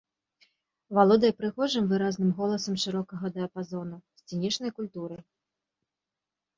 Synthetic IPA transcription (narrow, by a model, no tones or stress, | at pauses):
valˠɔd̪ɐjɛpɾɨɣɔʐɨmvɨɾaznɨmɣɔlˠɐsɐmʂɨɾɔkɐɣɐd̪ɐɐpazɔnusʲt͡sʲinʲit͡ʂnɐjkulʲt̪uɾɨ